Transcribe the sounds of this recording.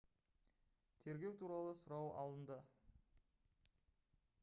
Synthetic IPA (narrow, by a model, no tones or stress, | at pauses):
t̪ʰe̞ɾɡʲe̞wt̪ʰuɾɑlˠəsʊɾɑwʔɑ̰lˠənd̪ə